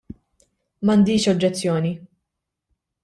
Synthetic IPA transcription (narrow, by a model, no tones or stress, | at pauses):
mɐnd̪iːʃɔd͡ʒːɛt͡sːjɔːni